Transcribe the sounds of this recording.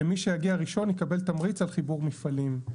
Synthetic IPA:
miʃejaɡiaʁiʃo̞njikabe̞lt̪amʁit͡salχibuʁmifalim

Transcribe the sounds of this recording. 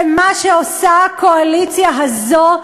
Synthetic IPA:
maʃeosakoalit͡sjaɦazo

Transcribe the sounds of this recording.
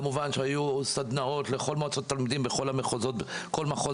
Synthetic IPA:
muvanʃeajusad̪nao̞t̪le̞χo̞lmoat͡sotatːalmid̪imbeχo̞lameχozot̚ko̞lmaχo

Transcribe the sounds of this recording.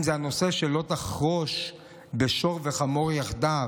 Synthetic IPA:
nzeano̞seʃelo̞t̪aχʁoʃ | beʃoʁveχamo̞ʁjaχd̪a

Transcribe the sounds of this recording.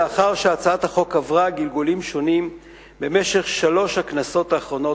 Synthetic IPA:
aχaʁʃeat͡saathaχo̞kavʁaɡilɡulimʃo̞nim | be̞me̞ʃe̞χʃalo̞ʃhaknaso̞t̪aːχʁo̞no̞

